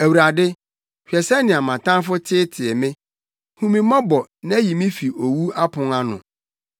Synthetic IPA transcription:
æ˨wu˨ɾa˨dɪ˦ | hᶣɛ˨sɛ˦nɪ̃˨a˨mã˨tã˦n˦fʊ˦tʰɪ˦tʰɪ˨ɛ˨mɪ̃˦ | hũ˦mĩ˨mã˦bɔ˨nã˦ji˨mĩ˦fi˨ʔo˨wu˦a˦pʰʊ̃˨ŋa˦nʊ̰̃˨

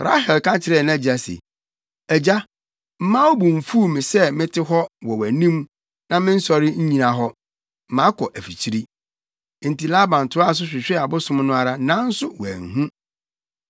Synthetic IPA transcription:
ɾa̰˦ɦɛ˨lkã˦t͡ɕʰɪ˨ɾɛ˨nã˦˨d͡ʑi˨a˨sɛ̰˨ | ɛ˨d͡ʑa˦ | m̩˦mãː˦wɔ˦bũ˨m̩˨fu˦˨mĩ˨sɛ˦mɪ̃˦tʰɪ˦ɦɔ˦wɔ˨wæ˨nĩ˦m | nã˦mɪ̃˦n̩˦sɔ˦ɾɪ˦ɲ̩˦ɲĩ˨nã˨ɦɔ˦ | m̩˨mã˨˦kʰɔ˨ʔæ˨fi˨t͡ɕʰi˦ɾi˦ | n̩˨ti˨la˦bã˨n̩˨tʰʊ˨˦a˦˨s̬ʊ˦ɕᶣɪ˨ɕᶣɛ˦a˨bʊ˦sʊ̃˦mnʊ̃˦a˨ɾa˦nã˦n̩˦sʊ˦wæ̰˨ŋ̩˨ɦũ˦

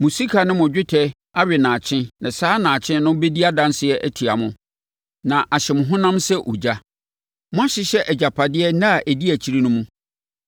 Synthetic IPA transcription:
mʊ̃˨si˦kʰa˨nʊ̃˦mʊ̃˨d͡ʑᶣɪ˦tʰɛ˦ | a˦ɥɪ˨nãː˨t͡ɕʰɪ̃˦nã˨saː˦nã˨t͡ɕʰɪ̃˦nʊ̃˦be˦di˦a˦dã˦nsɪ˨ɛ˦ʔæ˦tʰi˨a˨mʊ̃˦ | nã˨ʔa˨ɕɛ˨mʊ̃˨ɦʊ̃˦nã˦msɛ˦ʔo̰˨d͡ʑa˦ | mʊ̃˦a˦ɕɪ˦ɕɛ˦ʔɛ˨d͡ʑa˨pʰa˨dɪ˦ɛ˦nã˦a˨ʔæ˨di˦æ˨t͡ɕʰi˦ɾi˦nʊ̃˦mũ˦

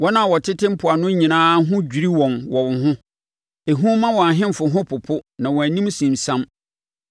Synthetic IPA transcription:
wɔ˦nã˦˨wɔ˨tʰɪ˦tʰɪ̃˦m̩˦pʰʊ˨a˨nʊ̃˦ɲĩ˨nãː˦ɦʊ̃˦d͡ʑᶣi˨ɾi˦wɔ̃˨nwɔ˨wɦʊ̃˦ | e˨ɦũ˦mːã˦wɔ̃˨a˨ɦɪ̃˦m̩˨fʊ˨ɦʊ̃˦pʰʊ˨pʰʊ˦nã˨wɔ̃˨æ˨nĩ˦m˦sĩ˨msã˦m

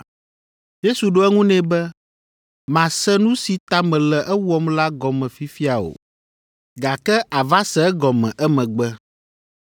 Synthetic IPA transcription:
je˦su˨ɖo˦ɛ˦ŋũ˦nɛ̃˦bɛ˦ | mã˨sɛ˦nũ˦si˨t̪a˦mɛ̃˨lɛ˨ʔɛ˦wɔ˦mla˦ɡɔ˨mɛ̃˨fi˦fi˦a˨o̰˨ | ɡa˨kɛ˦ʔa˨va˦sɛ˨ɛ˦ɡɔ˨mɛ̰̃˨ʔɛ˦mɛ̃˨ɡ͡bɛ˦

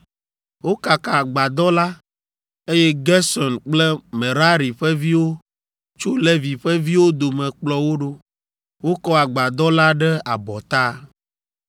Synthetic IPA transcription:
wo˦ka˨ka˨a˨ɡ͡ba˨d̪ɔ˦la˦ | e˦jɛ˦ɡɛ˦sɔ˨nk͡plɛ˦mɛ˨ɾa˦ɾi˨ɸɛ˦vi˦wo˦ | t͡ʃo˦lɛ˦vi˨ɸɛ˦vi˦wo˦d̪o˨mɛ̃˨k͡plɔ˦wo˦ɖo˦ | wo˦kɔ˦a˨ɡ͡ba˨d̪ɔ˦la˦ɖɛ˦a˨bɔ˨t̪a˦

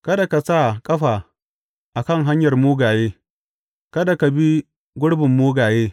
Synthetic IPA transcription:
kɐ˦da˨ka˨sa˦˨kʼɐ˦ɸaː˨ | ʔa˨kɐ˦˨ŋɦa˦ɲjɐ˨rmoː˦ɡaː˨jeː˦ | kɐ˦da˨ka˨bi˦ | ɡʷʊ˦ɽbɪ˨mːoː˦ɡaː˨jeː˦

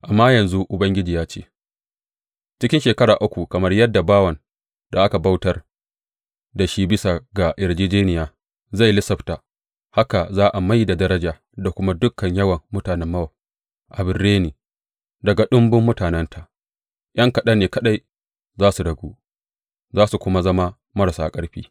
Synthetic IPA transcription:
ʔa˨mːaː˦jɐ˨nzu˦ʔʊ˨bɐ˦ŋɡʲɪ˦d͡ʒiː˨jaː˦t͡ʃḛː˦ | t͡ʃɪ˦kʲɪ˦nʃeː˨kɐ˦ɽaː˨ʔʊ˦kʷu˨kɐ˨mɐ˦rjɐ˦dːa˨baː˦wɐ˨n | da˨ʔa˦ka˨ba˦wtɐ˦r | da˨ʃiː˦bɪ˦sa˨ɡa˨ʔɪ˨ɽd͡ʒiː˦d͡ʒeː˦nɪ˨jaː˦ | za˦˨jlɪ˦sɐ˨ɸta˨ | ha˦ka˨zaː˦ʔa˨ma˦jda˨dɐ˦ɾɐ˦d͡ʒaː˨ | da˨kʷʊ˦ma˦dʊ˦kʰːɐ˨ɲjɐ˦wɐ˨mːʊ˦taː˨nɛ˦mːɐ˦wɐ˨ | ʔa˨bɪ˨rːeː˦niː˨ | dɐ˨ɡa˨ɗʊ˦mbʊ˦mːʊ˦taː˨nɛ˦ntʰa˨ʔ | j̰ʔɐ˦ŋkɐ˨ɗɐ˦neː˨kɐ˦ɗa˦j | zaː˦su˨ɽɐ˨ɡʷuː˦ | zaː˦su˨kʷʊ˦ma˦zɐ˦ma˦ | mɐ˦ɾa˨saː˨kʼɐ˦ɽɸiː˦

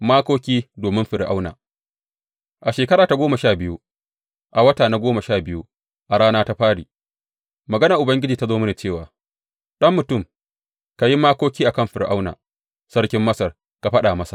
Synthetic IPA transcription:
maː˦kʷoː˦kʲiː˦doː˨mɪ˦mɸɪ˨ɽʔa̰˦wna̰ː˨ | ʔa˨ʃeː˨kɐ˦ɾaː˨ta˨ɡʷoː˦ma˨ʃaː˦˨bɪ˦ju˦ | ʔa˨wɐ˦taː˨na˦ɡʷoː˦mɐ˨ʃaː˦˨bɪ˦ju˦ | ʔa˨ɽaː˦naː˦ta˦ɸaː˦ɽḭː˨ | mɐ˨ɡɐ˦na˨ʔʊ˨bɐ˦ŋɡʲɪ˦d͡ʒiː˨ta˦zoː˦mɪ˦naː˨t͡ʃeː˦˨waː˨ | ɗɐ˦mːʊ˨tʊ˦˨m | ka˨ji˦maː˦koː˦kʲiː˦ʔa˨kɐ˦mɸɪ˨ɾʔa̰˦wna̰ː˨ | sɐ˦ɽkʲɪ˦mːɐ˦sɐ˨r | ka˨ɸɐ˦ɗa˨mɐ˦sḁ̰˨

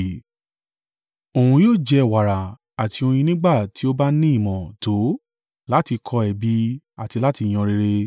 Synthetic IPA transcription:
o˨hũ˧joː˦˨d͡ʒɛ˧˨wa˨ɾa˨ | a˨tʰi˧o˧j̃ĩ˧nĩ˦ɡ͡ba˦˨ti˨˦o˦ba˦nĩ˦i˦˨mɔ̃˨to˨˦ | la˦ti˧kʰɔ˧ɛ˨bi˧˦ | a˨ti˧la˦ti˧j̃ɔ̃˧ɾe˧ɾe˧

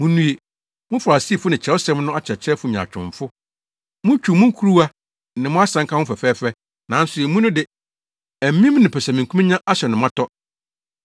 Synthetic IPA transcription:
mũ˨nũ˦e˨ | mʊ̃˦fa˨si˦˨fʊ˦nɪ̃˨t͡ɕʰɾɛ˨˦ʊ˦sɛ̃˦mnʊ̃˦a˦t͡ɕʰɛ˨t͡ɕʰɛ˦fʊ˨˦ɲ˨ã̰˨t͡ɕᶣʊ̰̃˨ɱfʊ˦ | mʊ̃˦t͡ɕᶣu˨mʊ̃˦ŋ˦kʰu˦ɾu˦a˦˨ | nɪ̃˨˦mʊ̃˦a˦sã˨ŋkʰa˦ʊ̃˦fɛ˨fɛː˦fɛ˦ | nã˨˦n̩˦sʊ˨e˨mũ˦nʊ̃˦dɪ˨ | æ˨m̩˦mĩ˦m̃˦nɪ̃˨pʰɛ˨sɛ˨mĩ˨kʰu˦mɪ̃˦ɲã˦ʔa˦ɕɛ˨nʊ̃˨mã˦tʰɔ˦

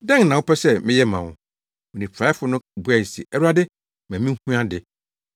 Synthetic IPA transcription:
dɛ̃˦ŋnã˨wʊ˦pʰɛ˦sɛ˦mɪ̃˦jɛ˦mã̰˨wʊ̰̃˨ | ʊ˨nĩ˨pʰa˨˦ɪ˦fʊ˨˦nʊ̃˦bu˦ɛ˨sḭ˨ʔɛ˦ɾa˦dɪ˦ | mã˨mĩ˦hũ˦ã˦dɪ˨

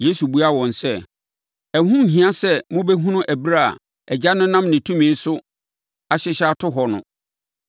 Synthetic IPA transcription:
je˦su˨bu˨˦a˦wɔ̃˨nsɛ˦˨ | ɛ˨hũ˦m̩˨ɦĩ˨ã˦sɛ˦mʊ̃˦bɛ˦ɦũ˦nʊ̃˦ʔæ˨bi˦ɾa˦a̰˨ | ɛ˨d͡ʑa˦nʊ̃˦nã˦mnɪ̃˨tʰũ˦mĩ˨˦n̩˦sʊ˦ | a˨ɕɪ˦ɕa˦tʰʊ˦ɦɔ˨nʊ̰̃˨

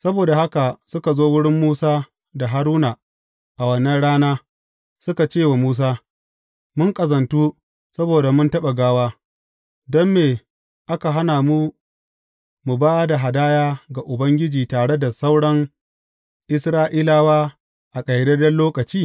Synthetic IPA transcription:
sɐ˦boː˨da˨ha˦ka˨sʊ˦ka˨zoː˦wʊ˦ɽɪ˦mːuː˦saː˦ | da˨ɦa˦ɾuː˦na˨ | ʔa˨wɐ˨nɐ˦ɽaː˦naː˦ | sʊ˦ka˨t͡ʃeː˦˨wa˨muː˦s̬aː˦ | mʊ˦ŋkʼɐ˨zɐ˨ntuː˦ | sɐ˦boː˨da˨mʊ˦ntɐ˦ɓa˨ɡaː˦waː˦ | dɔ˦mːeː˨ | ʔa˦ka˨ɦa˦naː˨mu˦ | mu˨baː˦da˨ɦa˨daː˦jaː˦ɡa˨ʔʊ˨bɐ˦ŋɡʲɪ˦d͡ʒiː˨taː˨ɽe˦da˨sa˦wɽɐ˦ŋ | ʔɪ˦sɾaː˦ʔiː˦laː˦waː˦ | ʔa˨kʼɐ˨jdɐ˦dɐ˦nloː˦kɐ˨t͡ʃiː˦

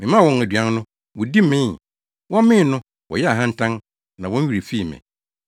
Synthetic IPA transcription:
mɪ̃˨mã˦˨wɔ̃˨næ˨dɥã˦nnʊ̃˦ | wʊ˨di˦mɪ̃˦n | wɔ̃˦mɪ̃˦˨nʊ̃˦ | wɔ̰˨jɛ˦a˨ɦã˦n̩˦tʰã˦n | nã˨wɔ̃˦n˦ɥu˨ɾe˨fi˦˨mɛ̰̃˨

